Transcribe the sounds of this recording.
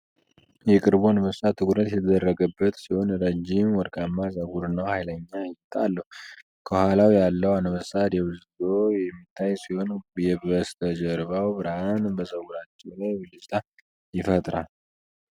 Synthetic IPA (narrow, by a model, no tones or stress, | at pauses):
jɛkʼɨɾbuanəbəsat̪ʰːɨkʼɾət̪jɛt̪ʰəd̪ərːəɡəbːət̪siho̞nɾəd͡ʒimwɔɾkʼamːazəɡuɾɨnːəwhajləɲːajt̪ʼːalːəhu | kʰəhʷalawjalːəwanəβəsat̪jɛwɨzzojɛmːit̪ʰːajsiho̞njɛbəst̪ʰəd͡ʒəɾbawbɨɾhanbəzəɡuɾat͡ʃːɛwlajwɨlɨzt̪ʰʼa | jɪfət̪ʼɾal